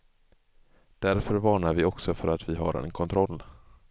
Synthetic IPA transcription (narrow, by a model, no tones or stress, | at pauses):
d̪̥æɾfœɾvɑːɳaɾvɪɔksɔfœɾat̪vɪɦa̰ɾɛ̰nkʰɔnt̪ʰɾɔlː